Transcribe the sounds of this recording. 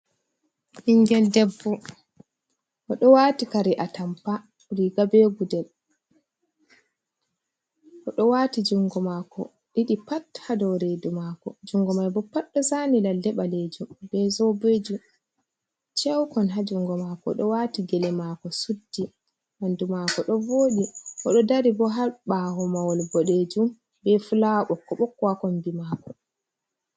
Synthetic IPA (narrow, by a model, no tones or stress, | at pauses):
ʔiŋɡɛldɛbːɔ | ʔɔɗɔwaːtikaɾiʔatampa | ɾiɡabeɡudɛl | ʔɔɗɔwaːtid͡ʒuŋɡɔmaːkɔ̰ | ɗiɗipathadɔɾedumakɔd͡ʒuŋɡɔmajbɔpːaɗːɔsaːnilaldɛɓaled͡ʒumbɛzɔbed͡ʒum | t͡ʃɛwkɔnɦad͡ʒuŋɡɔmakɔ̰ɗɔwaːtiɡɛlɛmakɔsudːi | nandumaːkɔɗɔvoːɗiʔɔɗɔdaɾibɔɦaɓaːhɔmawɔlbɔɗed͡ʒum | bɛfulaɓɔkːɔɓɔkːwakɔnbimaːkɔ